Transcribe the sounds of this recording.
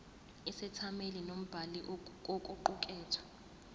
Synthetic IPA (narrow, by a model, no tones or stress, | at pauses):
isɛtʰamelinom̩b̥ʱaliʔkʼokʼuǃuk̬ʼɛːtʰɔ̥